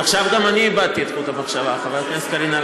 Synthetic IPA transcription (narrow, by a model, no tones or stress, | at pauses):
aχʃavɡamaniːbad̪̚t̪iet̪kolkamaχʃavaχavalat̪niaskaɾinal